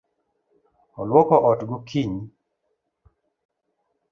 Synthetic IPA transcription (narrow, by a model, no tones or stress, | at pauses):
ɔlwɔkɔʔɔtɡʊkʰiɲ